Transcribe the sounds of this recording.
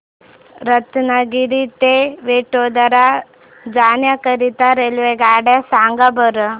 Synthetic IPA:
ɾət̪naɡiɾit̪eʋeʈod̪əɾa | d͡zanjakəɾit̪aɾelʋeɡaːɽasaŋɡabəɾə

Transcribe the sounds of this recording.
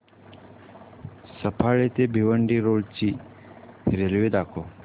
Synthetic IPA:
səpʰaɭet̪ebʱiʋəɳɖiɾoɭt͡ʃi | ɾelʋed̪akʰo

